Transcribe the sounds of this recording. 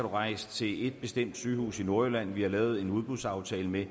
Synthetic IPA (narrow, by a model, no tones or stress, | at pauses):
æd̥uʁɑ̈ɪ̰st͡sʰe̝le̝d̥̚b̥e̝sd̥em̰d̥syːhṵːsino̝ɐjelæn̰ʋihɑ̈lɛːʊð̞̩ˠe̝nuð̞ˠb̥uð̥ˠsɑ̈ʊt͡sʰɛːləme